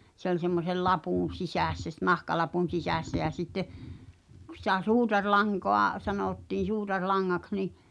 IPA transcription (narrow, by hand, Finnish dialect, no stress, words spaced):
se olʲ semːosel lɑpuˑn̞ sisæsːæ s nɑhkɑlɑpun̞ sisæsːæ jæ sitːe kŭ sĭtæ suːtɑrlɑŋkoɑ sɑnoˑtːiː suːtɑrlɑŋːɑks̞ ni